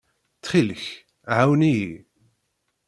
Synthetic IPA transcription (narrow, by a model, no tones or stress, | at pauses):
t̪χilç | ʕawniji